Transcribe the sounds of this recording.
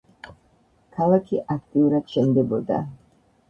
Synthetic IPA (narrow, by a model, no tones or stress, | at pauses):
kʰalˠakʰiʔak̚ʰt̪ʼiuɾad̪̥ʃɛmd̪ɛbɔd̪a̰